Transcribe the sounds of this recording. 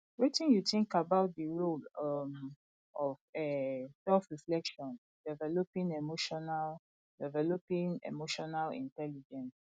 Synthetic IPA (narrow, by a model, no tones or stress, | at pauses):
wetĩnjuθĩŋkabaʊt̚dəɹolʌm | ɔvɛsɛlfɹiflɛkʃɔ̃n | d̥ɛvɛlopĩŋemoʃɔnal | dɛvɛlopĩŋḛmoʃɔnalḭ̃ntɛlid͡ʒɛ̃ns